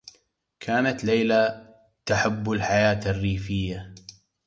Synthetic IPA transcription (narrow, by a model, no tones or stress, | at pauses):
kʰaːnat̪lejla | t̪aħabːʊlħajaːt̪arːiːfɪjːa